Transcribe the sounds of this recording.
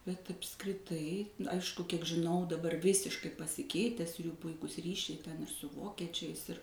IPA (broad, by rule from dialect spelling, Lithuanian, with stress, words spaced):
bʲɛt ɐpskrʲɪˈtɐɪ ˈɐɪʃkʊ kʲiɛk ʒʲɪˈnɐʊ dɐˈbɐr ˈʋʲɪsʲɪʃkɐɪ pɐsʲɪˈkʲɛɪtʲɛs juː ˈpʊɪkʊs ˈrʲiːʃʲɛɪ tʲɛn ɪr sʊ ˈʋoːkʲiɛt͡ʃʲɛɪs ɪr